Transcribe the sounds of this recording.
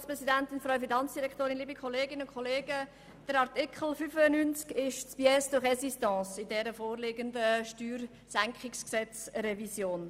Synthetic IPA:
spʁɛsidænt̪ɪnfɾœwəfinɑnt͡sd̥iɾɛkʰtoːɾɪnliːbikχɔleːɡɪnəʊnkʰχɔleːɡə | d̥əɾɑɾt̪ɪkʰχl̩fyfənynt͡skɪʃt͡sb̥iɛsd̥ʊχɛsistɑ̃ːsɪdɛɾəfoːrleːɡəndəʃtyːɾ | sæŋkχɪksksɛt͡srɛvisjoːn

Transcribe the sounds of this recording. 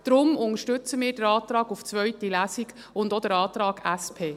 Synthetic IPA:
d̥ɾʊmʊŋəʃtʏt͡səmɪːɾd̥əɾɑːt̪ɾɑːɡuft͡sʋœɥtilæːsiɡ | ʊndod̪əɾɑːt̪ɾɑːɡ̥æspʰeː

